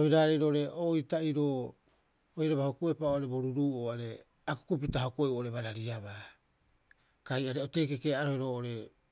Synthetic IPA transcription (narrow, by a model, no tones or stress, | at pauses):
ohiɾaɾejɾoʔoɾe̞ʔojtaiɾoː | ojɾaβahokue̞paoaɾe̞boɾuɾuːoaɾe̞ | aku̥kup̬itaɦokueʔuʔoɾe̞βaɾaɾiaβa | kajaɾeote̞kekeaɾohiɾo̞ːʔoɾe̞